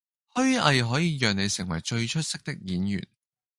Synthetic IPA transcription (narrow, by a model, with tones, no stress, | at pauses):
hɵ˥ɥʔɐ˧jɦɔː˨˥jiː˨˧jœː˨ŋne˨˧jsɪ˨˩ŋwɐ˨˩jt͡ʃɵ˧ɥt͡ʃʰɵ˥t̚sɪ˥k̚t̪ɪ˥k̚jiː˨˥njy̰ː˨˩n